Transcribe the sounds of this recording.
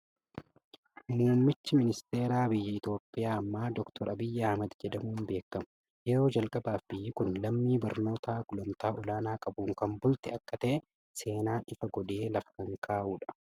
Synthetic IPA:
nnɐnmɪt͡ʃːɪmɪnɪst̪e̞ːɾaːbɪjːɪɪt̪o̞ːpʼːɪjaːɐmːaːd̪ɔkt̪ʰɔɾɐbɪjːɐhmɐd̪d͡ʒɛd̪ɐmuːnbe̞ːkːɐmʊ̥ | jɛɾo̞ːd͡ʒɐlkʼɐbaːfbɪjːɪkʊnlɐmːiːbɐɾno̞ːt̪ʰaːɡʊlɐmt̪aːʔʊlaːnaːkʼɐbuːŋkɐmbʊlt̪ɪɐkːɐt̪ɐʔɛ | se̞ːnaːɪfɐɡɔᶑeːlɐfɐkɐŋkʰaːʔuːᶑɐ̥

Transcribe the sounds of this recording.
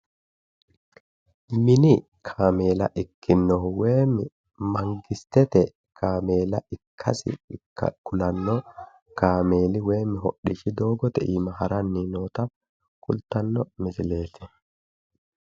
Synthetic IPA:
mɪnɪ | kʰaːme̞ːlɐ̰ʔɪkʰːɪnːɔweːmːɪ | mɐŋɡɪst̪ɛt̪ɛ | kʰaːmeːlɐʔɪkʰːɐsɪ̰kʊlɐnːɔ | kaːme̞ːlɪwe̞ːmːɪɦɔɗːiʃɪd̪o̞ːɡɔt̪ɛʔiːmɐhɐɾɐnːiːno̞ːt̪ɐ | kʊlt̪ːɐnːɔmɪsɪle̞ːt̪ɛ

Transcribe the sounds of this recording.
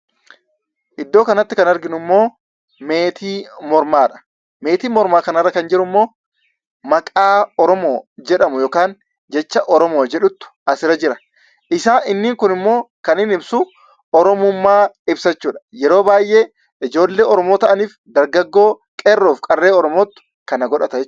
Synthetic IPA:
ʔɪd̪ːo̞ːkɐnɐt̪ːɪkɐnɐɾɡɪnʊmːo̞ː | me̞ːt̪ʰiːmɔɾmaːᶑɐ̥ | me̞ːt̪iːmɔɾmaːkɐnɐrːɐkɐnd͡ʒɪɾʊmːo̞ː | mɐkʼaːɔɾɔmoːd͡ʒɛᶑɐmʊjoːkaːn | d͡ʒɛt͡ʃːɐʔɔɾɔmoːd͡ʒɛᶑʊt̪ːʊ̥ɐsɪɾɐd͡ʒɪɾɐ̥ | ʔɪsaːɪnːɪːŋkʊnɪmːo̞ːkɐnɪnɪbsʊ | ɔɾɔmʊmːaːɪbsɐt͡ʃːuːᶑɐ̥jɛɾo̞ːbaːjʔe̞ː | ɪd͡ʒo̞ːlːe̞ːɔɾɔmoːt̪ɐʔɐniːfd̪ɐɾɡɐɡːo̞ː | kʼerːoːfkʼɐrːe̞ːɔɾɔmoːt̪ːʊ̥ | kɐnɐɡɔᶑɐt̪ɐɛt͡ʃ

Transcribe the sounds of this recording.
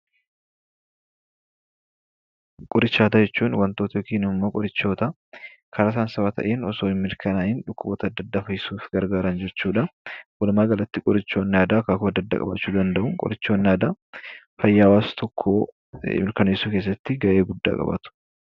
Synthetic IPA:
kʼʊɾɪt͡ʃːaːt̪ɐd͡ʒɛt͡ʃːuːnwɐnt̪oːt̪ɐjokiːnɪmːoːkʼɔɾɪt͡ʃːo̞ːt̪ɐ | kʰɐɾɐsaːnsɐwat̪ʰɐ̰ʔeːnɔso̞ːɪmːɪɾkʰɐnaɪnᶑʊkːʊbɔt̪ɐd̪ːɐd̪ːaːfɐjɪsuːfɡɐɾɡaːɾɐnd͡ʒɛt͡ʃːuːᶑɐwɔlmaːɡɐlɐt̪ːɪkʼʊɾɪt͡ʃːo̞ːnːaːd̪aːkaːkʊmɐd̪ːɐd̪ːa̰ːkʼɐ̰ba̰t͡ʃːuːd̪ɐnd̪ɐʔʊŋkʼʊ̰ɾɪt͡ʃːo̞ːnːaːd̪a | fɐjːaːwaːst̪ɔkʰːo̰ː | mɪɾkɐnɐjsuːkeːs̬ːɐt̪ːɪɡɐʔe̞ːɡʊd̪ːa̰ːkʼɐ̰bɐ̰t̪ʊ̥

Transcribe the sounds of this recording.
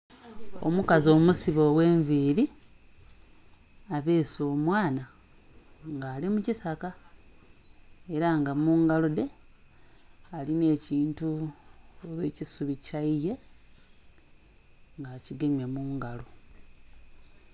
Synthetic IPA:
o̰mukazo̞ːmusiβo̞we̞ːɱviːɾi | aβeːso̞ːmwaːna | ŋɡaːlimucisaka | e̞ɾaŋɡamuːŋɡalo̞de̞ | aline̞ːciːntu | oβeːcisuβicaije̞ | ŋɡaːciɡemjamuːŋɡalo̞

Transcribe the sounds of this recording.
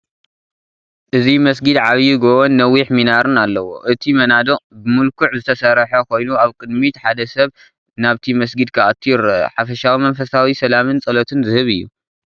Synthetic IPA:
ʔɨzimɐs̬ɡɨd̪ʕaβjuɡowonːɐwːiħminaɾɨnalːɐwo̰ʔɨt̪ʰimɐnad̪obɨmɨlkʰuʕzɨt̪ʰɐsɐɾħɐkʰo̞jnuaβkʼɨd̪mit̪ħad̪ɐsɐβ | naβt̪ʰimɐs̬ɡɨd̪̚kʰɐʔat̪ʰiɾħafɐʃawimɐnfɐsawisɐlamɨnt͡sʼɐlɐt̪ʰɨnzɨhɨβɨjːṵ

